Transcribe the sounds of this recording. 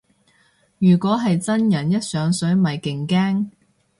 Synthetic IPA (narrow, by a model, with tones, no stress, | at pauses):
jyː˨˩kʷɔː˨˥ɦɐ˨jt͡sɐ˥njɐ˨˩njɐ˥t̚sœː˨˥ŋsɵ˨˥ɥmɐ˨˩jkɪ˨˩ŋkɛː˥ŋ